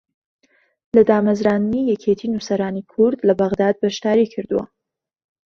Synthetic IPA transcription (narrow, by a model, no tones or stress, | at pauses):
lad̪ɑːmazɾɑnnijakʰet̪ʰinusaɾɑnikʰʊɾd̪labaɣd̪ɑd̪̚baʃt̪ɑɾikʰəɾd̪wa̰